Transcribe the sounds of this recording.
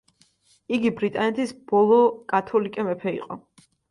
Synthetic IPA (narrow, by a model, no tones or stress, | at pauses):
iɡibɾit̪ʼanɛt̪ʰisb̥ɔlˠɔkʼat̪ʰɔlikʼɛmɛpʰɛḭqʼɔ